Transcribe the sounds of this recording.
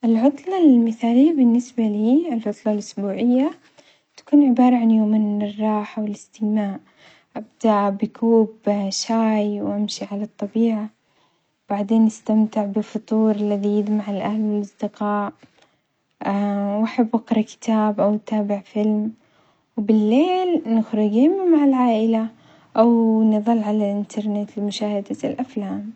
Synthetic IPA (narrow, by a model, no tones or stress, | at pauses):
ʔɪlʕʊt̪ˤlɑlmɪθaːlɪjːabɪnːɪsbaliːɪlʕʊt̪ˤlɑlʔʊsbuːʕɪjːa | t̪ḁkuːnʕɪbɑːɾˤɑʕanjoːmɪnɪrˤːɑːħawɪlɪst̪ɪmaːʔ | ʔabd̪aʔbɪkʰuːbʃaːjwʔamʃiʕalat̪ˤːɑbiːʕa | b̥aʕd̪eːnʔɪst̪amt̪ɪʕbɪfʊt̪ˤuːɾˤalːaðijɪd̪maʕɪlʔahlɪlɪsd̪ɪqɑːʔ | awʔaħabːʔɪqɾˤɑkɪ̥t̪aːbʔawt̪aːbɪʕfɪlm | wbɪlːeːlnɪxɾɪɡɪmamaʕalʕaːʔɪla | ʔawnɨðˤɨlːʕalalʔɪnt̪ʰɑɾˤnɪt̪lɪmʊʃaːhad̪alʔaflaːm